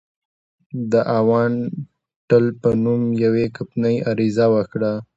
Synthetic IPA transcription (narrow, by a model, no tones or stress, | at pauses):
d̪əʔawɑn | ʈəlpənumjawekapnəjaɾizawəkɽa